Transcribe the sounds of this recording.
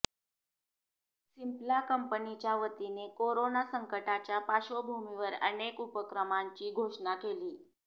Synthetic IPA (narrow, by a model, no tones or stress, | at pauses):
simplakəmpənit͡ɕjaʋət̪inekoɾonasəŋkəʈat͡ɕjapaɕobʱumiʋəɾənekupəkɾəmaɲt͡ɕiːɡʱoʂɳakeliː